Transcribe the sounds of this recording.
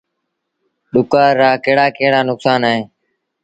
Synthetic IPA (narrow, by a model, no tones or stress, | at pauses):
ɗʊkaːɾːaːkəːɽaːkeːɽaːnʊksaːnaːɦẽː